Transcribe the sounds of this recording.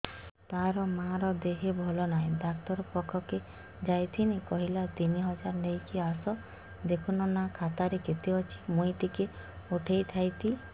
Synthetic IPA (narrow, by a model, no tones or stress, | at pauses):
t̪aɾɔmaɾɔd̪eɦebʱɔlɔnaĩd̪akt̪ɔɾɔpɔkʰɔke | d͡ʒajt̪ʰinikɔɦilat̪iniɦɔd͡ʒaɾnejkiasɔ | d̪ekʰunɔnakʰat̪aɾeket̪iɔt͡ʃʰi̥muit̪ike | uʈʰejt̪ʰajt̪ʰi